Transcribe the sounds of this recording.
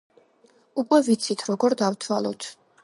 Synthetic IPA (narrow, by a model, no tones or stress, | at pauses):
ukʼwɛvit̪sʰit̪ʰɾɔɡɔɾd̪avt̪ʰwalˠɔ̰t̪ʰ